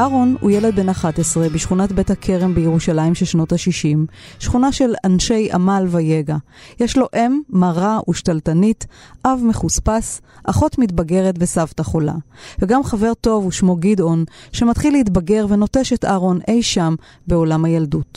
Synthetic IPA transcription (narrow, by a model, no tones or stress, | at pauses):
ʔaʁo̞nhṵjeled̪̚be̞naχatesʁe̞biʃχunatbethakʰe̞ʁe̞mbejeʁuʃalaimʃelʃno̞thaʃiʃimʃχunaʃe̞lanʃe̞jʔa̰malvaje̞ɡajeʃlo̞ʔe̞mːaʁaʔuʃtaltanitʔavmeχuspas | ʔaχo̞tmitbaɡe̞ʁetvesavtaχo̞la̰veɡamχave̞ʁto̞vuʃmo̞ɡido̞nʃemat̪χileitbaɡe̞ʁve̞no̞te̞ʃetaʁo̞ne̞jʃam | be̞o̞lamajaldut